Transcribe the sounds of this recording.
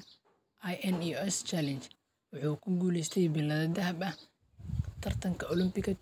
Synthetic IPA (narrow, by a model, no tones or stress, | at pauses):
ʔajɛniɛst͡ʃalɛnt͡ʃ | wɑħuːkʰʊɡuːlɛst̪ʰɛjbɪlɐðɐd̪ɐɦɐbɐh | t̪ʰɐrt̪ʰɐŋkʰɐʔʊlɪmpɪɣɐ